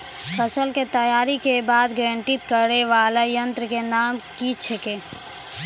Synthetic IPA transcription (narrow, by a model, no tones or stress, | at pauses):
pʰəsəlket̪əjaːɾikebaːd̪ɡɾɛ̃ːɳʈɪt̪kəɾeʋaːlajə̃nt̪ɾəkenaːmkit͡ʃʰekeː